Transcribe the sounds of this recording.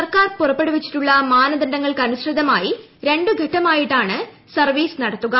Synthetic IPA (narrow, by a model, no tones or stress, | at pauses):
sɐrkaːrpurɐpːe̞ɽuʋit͡ɕːi̥ʈːuɭːɐmaːnɐðɐndɐŋːɐɭkɨɐnuɕrɨd̪ɐmaːji | ɾe̞ɳɖɨɡʱɐʈːɐmaːjiʈːaːɳɨ | sɐrʋiːsnɐɽɐt̪ːuɣɐ